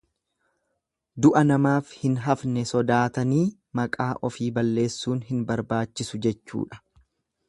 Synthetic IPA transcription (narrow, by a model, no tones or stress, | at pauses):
d̪ʊʔɐnɐmaːfhɪnɦɐfnɛsɔd̪aːt̪ɐniː | mɐkʼaːʔɔfiːbɐlːe̞ːsːuːnhɪnbɐɾbaːt͡ʃːɪsʊd͡ʒɛt͡ʃːṵːᶑɐ̥